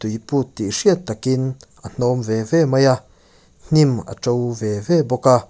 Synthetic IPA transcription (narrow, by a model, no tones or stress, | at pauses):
t̪ujput̪ːiʂiət̪ːakinʔən̥ɔmvɛvɛmɐja | n̥imə̰t͡sɔwvɛvɛbɔka